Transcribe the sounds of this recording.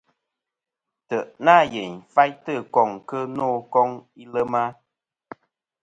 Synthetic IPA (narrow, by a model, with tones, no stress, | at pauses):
tə˨ʔnaː˦˨je˨ɲfa˦jtə˦˨kɔ˦˨ŋkə˦nɔː˦˨kɔ˦ŋi˦lə˦ma˦